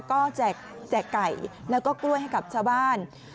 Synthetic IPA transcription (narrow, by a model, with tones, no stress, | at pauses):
kɔː˥˩t͡ɕɛː˨˩k̚ | t͡ɕɛː˨˩kːa˨˩jlɛː˦˥wkɔː˥˩klu˥˩əjɦa˥˩jka˨˩p̚t͡ɕʰaː˥˩wbaː˥˩n